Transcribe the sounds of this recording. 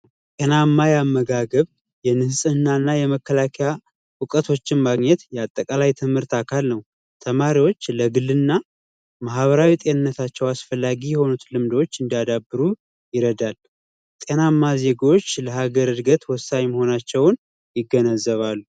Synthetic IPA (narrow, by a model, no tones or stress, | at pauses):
t̪ʼenamːajamːəɡaɡəβ | jɛnɨhsʼɨnːanːajɛməkːəlakʰɛja | wʊkʼət̪ʰo̞t͡ʃːɪnmaɡɲɛt̪jɛat̪ʼːəkʼalajt̪ʰɨmhɨɾt̪akʰalnəw | t̪ʰəmaɾiwo̞t͡ʃːləɡɨlːɨnːa | maɦβəɾawit̪ʼe̞nɨnːət̪ʰat͡ʃːɛwasfəlːaɡijɛho̞nut̪lɨmd̪ot͡ʃːɨnd̪ijad̪abːɨɾu | jɪɾəd̪al | t̪ʼenamːaze̞ɡawot͡ʃːləhaɡəɾɨd̪ɡət̪wɔsːaɲməho̞nat͡ʃːɛwn | jɪɡːənəzːəβalːu